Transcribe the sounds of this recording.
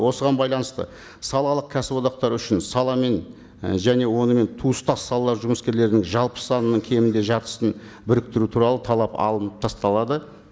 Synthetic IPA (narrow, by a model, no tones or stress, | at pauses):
wo̞səʁɑnbɑjlˠɑnəst̪ə̰ | sɑlˠɑlˠəq̚kʲʰæsɪbwo̞d̪ɑq̚t̪ɑɾʏʃɪnsɑlˠɑme̞n | ʒæne̞wo̞nəme̞nt̪ʰuəst̪ɑsɑlˠɑlˠɑɾʒʊməskʲe̞ɾle̞ɾɪnɪŋʒɑlˠpə̥sɑnənəɴkʲʰe̞mɪnd̪e̞ʒɑt̪ə̥sən | bɪɾɪk̚t̪ɪɾut̪ʰuɾɑlˠət̪ʰɑlˠɑpɑ̰lˠənəp̚t̪ʰɑst̪ɑlˠɑd̪ə